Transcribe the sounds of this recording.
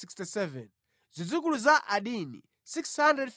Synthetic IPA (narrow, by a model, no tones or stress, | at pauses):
ikstisɛvɛn | zid͡zuk̬uluzaʔaɗinḭ | sikshandɾɛd